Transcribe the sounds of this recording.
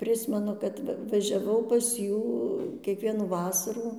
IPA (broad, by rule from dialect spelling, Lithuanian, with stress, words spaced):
ˈpʲrʲɪsʲmʲɛnʊ kɐt ˈʋɐ ʋɐʒʲɛˈʋɐʊ pɐs ˈjuː kʲiɛˈkʋʲiɛnuː ˈʋɑːsɐruː